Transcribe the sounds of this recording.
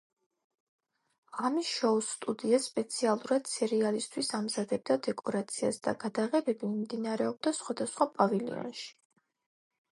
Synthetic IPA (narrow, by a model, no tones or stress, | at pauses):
ʁamisʃɔust̪ʼud̪iaspʼɛt̪sʰialˠuɾad̪̥sʰɛɾialist̪ʰwisamzad̪ɛb̚d̪ad̪ɛkʼɔɾat̪sʰiasd̪̥a̰ɡad̪aʁɛbɛbimd̪inaɾɛɔb̚d̪asχwad̪asχwapʼavɛlḭɔ̰nʃi̥